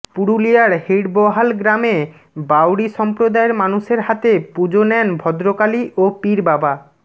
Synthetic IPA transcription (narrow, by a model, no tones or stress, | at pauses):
puɽulijaɾhiɽbɔɦalɡɾame | bawɽiʃɔmpɾod̪aeɾmanuʃeɾɦat̪epud͡ʑonɛnbʱɔd̪ɾokaliʔopiɾbaba